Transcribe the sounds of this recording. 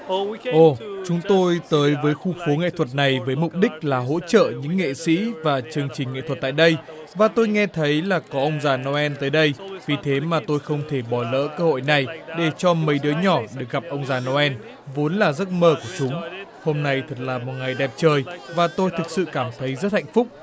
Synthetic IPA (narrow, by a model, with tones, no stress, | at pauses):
ʔo˧˩t͡ɕʊ˨˦ŋ͡mt̪o˧jt̪əː˨˦jvəː˨˦jxu˧xo˨˦ŋḛ˧˨t̪ʰwə˨˩t̚na˨˩jvəː˨˦jmʊ˨˩k͡p̚ɗï˦˥k̟̚laː˨˩ɦo̰˧˥t͡ɕə̰ː˧˨ɲɨ̰˧˥ŋːḛ˧˨sḭ˧˥vaː˨˩t͡ɕɨ˧əŋt͡ɕï˨˩ŋ̟ːḛ˧˨t̪ʰə˩t̚t̪a̰ː˧˨jɗə˧j | vaː˨˩t̪o˧jŋɛ˧t̪ʰə˨˦jlaː˨˩kɔ˨˦ʔə˧wŋ͡mzaː˧˩nɔ˧ʔɛ˧nt̪əː˨˦jɗə˧jvi˨˩t̪ʰe˨˦maː˨˩t̪o˧jxə˧wŋ͡mt̪ʰe˧˩ɓɔ˧˩lə̰ː˧˥kəː˧ho̰˧˨jna˨˩jɗe˧˩t͡ɕɔ˧mə˨˦jɗɨ˨˦əɲɔ˧˩ɗɨ˧˨˩k̚ɣa˨˩p̚ʔə˧wŋ͡mzaː˨˩nɔ˧ʔɛ˧n | vo˨˦nlaː˨˩zə˦˥t̚məː˧ku˧˩ət͡ɕʊ˨˦ŋ͡mho˧mna˧jt̪ʰə˨˩t̚laː˨˩mo˨˩t̚ŋa˨˩jɗɛ˨˩p̚t͡ɕəː˨˩jvaː˨˩t̪o˧jt̪ʰɨ˨˩k̚sɨ̰˧˨kaː˧˩mt̪ʰə˨˦jzə˦˥t̚ha˧˨jŋ̟fʊ˦˥k͡p̚